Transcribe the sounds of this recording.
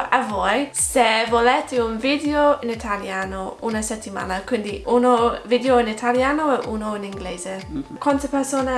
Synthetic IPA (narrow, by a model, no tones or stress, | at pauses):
avɔjsevolɛt̪iunvid̪eoɪnit̪ʰaljanounɐsɛt̪ːima̰nɐkwind̪iʔunovid̪eoinit̪ʰaljanoɛʔunoiniŋɡlezekwant̪əpɛɾsona